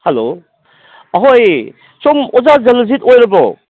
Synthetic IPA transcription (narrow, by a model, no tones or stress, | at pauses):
helo | ɐɦoj | somɔzazɐlzitojɾɐbo